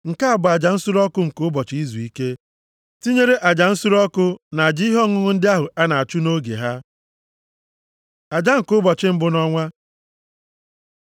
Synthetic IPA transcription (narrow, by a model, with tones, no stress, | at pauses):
ŋ̩˨ka˦a˨bʊ˨a˨d͡ʒa˨n̩˦su˦ɾɔ˦kʊ˦ŋ̩˨kʊ˦bɔ˨t͡ʃɪ˨˦i˦zu˨i˦ke˦ | ti˦ɲe˦ɾe˦ʔa˨d͡ʒa˨n̩˦su˦ɾɔ˦kʊ˦na˨a˨d͡ʒi˦i˦ɦɔ˦ŋʊ˦ŋʊ˦n̩˦dɪ˦a˦ɦʊ˨a˦na˨a˨t͡ʃu˦no˦ɡḛ˨ɦa˦ | a˨d͡ʒa˦ŋ̩˨kʊ˦bɔ˨t͡ʃɪ˦m̩˦bʊ˦nɔ˦ŋʷa˦